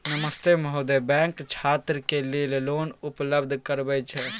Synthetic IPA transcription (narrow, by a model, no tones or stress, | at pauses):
nəməst̪emɦod̪ebɛ̃ːŋkt͡ʃʰaːt̪ɾəkelelloːnʊpləbd̪ʱkəɾbɛt͡ʃʰɛ